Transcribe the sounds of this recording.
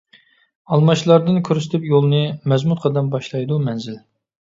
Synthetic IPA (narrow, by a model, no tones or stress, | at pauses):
ɑlˠmɑt͡ʃlˠɑɾd̪ɨnkʲʰøɾsɪ̥t̪ʰɪpjolˠnɨmɛzmut̪̚qʰɑd̪ɛmbɑʃlˠɑjd̪umɛnzɪl